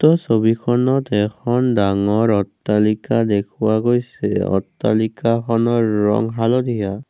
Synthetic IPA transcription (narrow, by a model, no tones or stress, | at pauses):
tɔsobikʰɔnɔtɛkʰɔndaŋɔɹɔtːalikadekʰuwaɡojsɛ̰ɔ̰tːalikakʰɔnɔɹːɔ̰ŋɦalɔd̪ʱija